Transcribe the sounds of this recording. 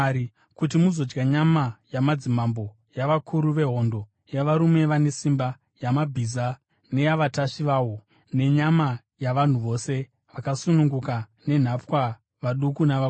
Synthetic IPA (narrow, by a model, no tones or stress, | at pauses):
i | kutimuzo̞d͡ʒɡaɲamajamad͡zimambo̞ | jaʋakʰuɾuʋe̞ɦo̞ndo̞ | jaʋaɾume̞ʋane̞simba | jamabʱiza | ne̞jaʋataʃiʋaːwo̞ | ne̞ɲama | jaʋan̤uʋo̞ːse̞ | ʋakasunuŋɡuka | ne̞n̤ap͡fwa | ʋaɗukunaʋa